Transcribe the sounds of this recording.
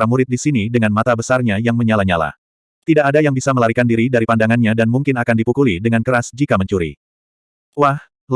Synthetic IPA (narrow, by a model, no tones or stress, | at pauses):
ɾamuɾɪt̪̚disinidəŋanmat̪abəsarɲajaŋməɲalaɲala̰ | t̪idaʔadajaŋbisaməlaɾikandiɾidaɾipandaŋanɲadanmuŋkɪnakandipukulidəŋankəɾasd͡ʒikaməɲt͡ʃuɾḭ | wah